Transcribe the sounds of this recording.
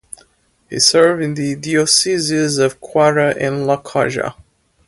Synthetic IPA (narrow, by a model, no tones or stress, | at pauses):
hḭsɜ˞vɨ̃nðidiɔsizɪzʌv̥kʰw̥aɹəʔɪ̃nləkʰɑʒə̰